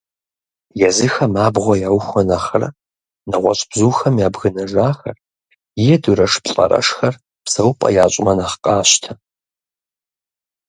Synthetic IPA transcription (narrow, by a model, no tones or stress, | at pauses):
jɛzɨxɐmaːbʁʷɔjaːwxʷɔnaχɐrɐ̰ | nɐʁʷɔɕʼb̥zuːxɐmjaːbɣɨnɐʒaːxɐr | jɛduɾɐʂpɬʼɐ̰ɾɐ̰ʂxɐr | psɐwpʼɐ̰jaːɕʼɪmɐnɐχqʼɑːɕtʰɐ